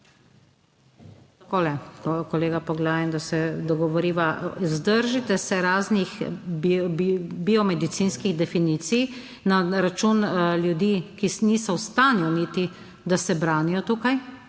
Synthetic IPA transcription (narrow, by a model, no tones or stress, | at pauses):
t̪ɐkoːlɛkɔleːɡapɔɡlaːjɛnd̪asɛd̪ɔɡɔʋɔɾiːʋazd̪əɾʒit̪ɛsɛɾaːznix | biɔmɛd̪it̪siːnskiɣd̪ɛfiniːt̪sij | naɾat͡ʃuːnljud̪iːkinisɔwst̪aːnjɔnit̪i | d̪asɛbɾaːnijɔt̪ukaj